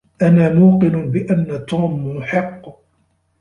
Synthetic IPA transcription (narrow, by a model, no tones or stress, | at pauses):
ʔanaːmuːqɪnʊbɪʔanːat̪uːmjʊħɪqː